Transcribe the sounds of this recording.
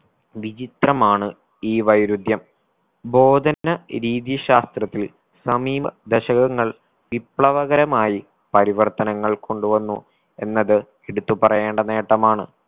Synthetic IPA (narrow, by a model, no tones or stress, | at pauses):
ʋit͡ɕit̪rɐmaːɳɨ | iːʋɐjɾud̪jɐm | bo̞ːd̪ʱɐnɐɾiːðijɐɕaːst̪rɐt̪ːil | sɐmiːʋɐd̪eɕɐɣɐŋːɐɭ | ʋipɭɐʋɐɣɐɾɐmaːji | pɐɾiʋɐrt̪ɐnɐŋːɐɭko̞ɳɖuʋɐnːu | e̞̰nːɐðɨ | eɽut̪ːupɐrɐjeːɳɖɐne̞ːʈːɐmaːɳɨ